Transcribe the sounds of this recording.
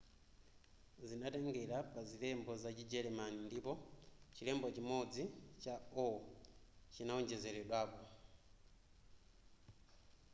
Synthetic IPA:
zinataŋɡɛɾapazilɛmbɔzat͡ʃid͡ʒɛɾɛmanindipɔt͡ʃilɛmbɔt͡ʃimɔd͡zit͡ʃaɔ | t͡ʃinaɔɲd͡ʒɛzɛɾɛɗwaːpɔ

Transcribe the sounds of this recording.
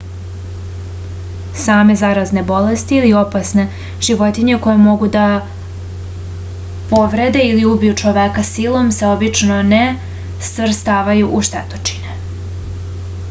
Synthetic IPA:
saːme̞zaɾazne̞bo̞lest̪iːlio̞pasne̞ | ʒ̥iʋo̞t̪iɲe̞ko̞jemo̞ɡud̪a | po̞ʋɾe̞d̪e̞iliubijut͡ʃoʋekasilˠo̞mse̞o̞bit͡ʃnone̞ | sʋr̩st̪aːʋajuʔuʃt̪et̪o̥t͡ʃi̥ne

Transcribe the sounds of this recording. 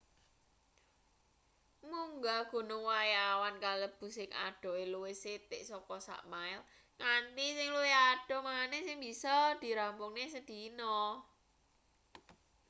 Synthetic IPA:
muŋɡaɡ̥ṳnʊŋwajawankaləb̥ṳsɪŋa̰ɖ̥ɔ̤eluwɪset̪ɪʔsɔkɔsa̰ʔmaɪl | ŋant̪isɪŋluwiaɖ̥ɔ̤manesɪŋbi̤sɔd̪̥i̤ɾampʊŋnesəd̪̥i̤nɔ

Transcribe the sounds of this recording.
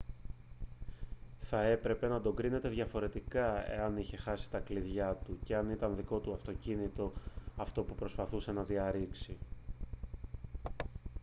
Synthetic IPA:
θɐe̞pɾe̞pe̞nɐd̪o̞ɡɾine̞t̪e̞ðʝɐfo̞ɾe̞t̪ikɐe̞̰ɐniçe̞xɐsi̥t̪ɐkliðʝɐt̪uce̞ɐnit̪ɐnðiko̞t̪uɐft̪o̞cinit̪o̞ɐft̪o̞pupɾo̞spɐθuse̞nɐðiɐɾiksi

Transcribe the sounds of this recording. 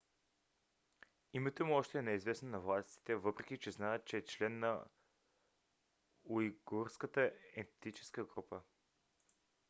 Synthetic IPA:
imɛt̪omuɔʃt̪ɛːnɛizvɛsnonɐvlˠast̪i̥t̪ɛvɤpɾɛk̟ʲit͡ʃɛznaɛt̪̚t͡ʃɛːt͡ʃlɛnːɐ | uiɡuɾskət̪əɛt̪it͡ʃɛ̥skəɡɾupə

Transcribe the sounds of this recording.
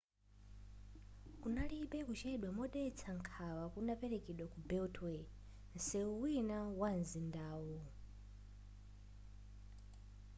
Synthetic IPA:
unaliɓɛkut͡ʃɛɗwamɔɗɛt͡sʰaŋkʰawakunapɛɾekiɗwakubɛltʰwɛ | nsɛuwinawanzindaːwu

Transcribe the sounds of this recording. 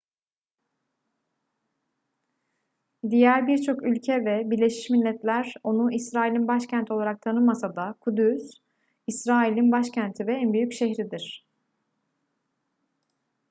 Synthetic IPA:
d̪ijæɾbiɾt͡ʃʰo̞kylʲcʰɛvɛbiɾlʲe̞ʃi̥ʃmilʲːɛt̪lʲæɾo̞nuisɾaːilʲinbaʃcʰænt̪ʰo̞lˠaɾak̚t̪ʰanɯmasad̪akʰud̪ys | isɾaːilʲinbaʃcʰænt̪ʰivɛænbyjycʃeçɾid̪iɾ̝̥

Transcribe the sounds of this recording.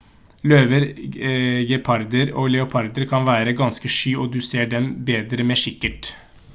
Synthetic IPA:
løːʋəɾ | ɡɛpʰɑɾd̪əɾoːlɛʊpʰɑɾd̪əɾkʰɑnʋæːɾəɡɑnskəʂyːoːd̪ʉseːɖɛmbeːd̪ɾəmeːʂɪkːəʈ

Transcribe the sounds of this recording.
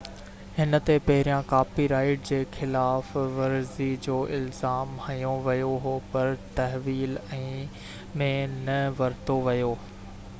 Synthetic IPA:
hɪnə̆t̪epɐɦɪɾijãkaːpiɾaːɪʈ̚d͡ʑeːxɪlaːfʋɐɾzid͡ʑoːʔɪlzaːmhɐ̃jõʋɐjoɦopɐɾt̪ɐɦʋiːlɛ̃ː | mẽnɐʋɐɾt̪oʋɐjoː

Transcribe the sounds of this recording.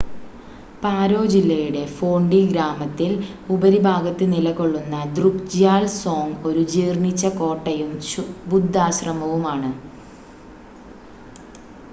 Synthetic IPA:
paːɾo̞ːd͡ʑilːɐjuɽe̞fo̞ːɳɖiɡɾaːmɐt̪ːilubɐɾibʱaːɡɐt̪ːɨnilɐɣo̞ɭːunːɐd̪rukd͡ʑjaːlso̞ːŋɡo̞ɾud͡ʑiːrnit͡ɕːɐko̞ːʈːɐjumbud̪ʱːaːɕrɐmɐʋumaːɳɨ

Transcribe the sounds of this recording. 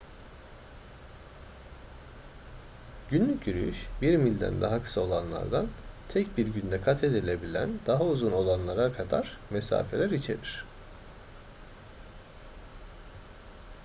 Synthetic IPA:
ɟynlʲycʲyɾy̰yʃbiɾmilʲd̪æ̰nd̪a̰ɦakʰɯ̥sao̞lˠanlˠa̰ɾd̪ant̪ʰɛcbiɾɟynd̪ɛkʰat̪ʰe̞d̪ilʲe̞bilʲæ̰nd̪̥aɦauzuno̞lˠanlˠaɾakʰad̪a̰ɾ̥mesa̰ːfe̞lʲæɾit͡ʃʰe̞̰ɾiɾ̝̥

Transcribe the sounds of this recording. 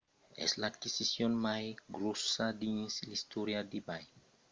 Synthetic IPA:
ḛslaːd̪kisisjonmajɡɾosad̪iɲislist̪ʰoɾjad̪ibaj

